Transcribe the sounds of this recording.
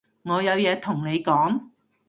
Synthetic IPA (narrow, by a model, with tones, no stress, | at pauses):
ŋɔː˨˧jɐ˨˧wjɛː˨˧t̪ʰʊ˨˩ŋne˨˧jkɔː˨˥ŋ